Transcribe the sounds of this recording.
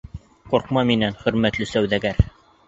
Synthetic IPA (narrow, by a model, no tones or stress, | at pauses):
quɾqmɑminænχɵ̆ɾmæt̪lɘsæwðæɡæɾ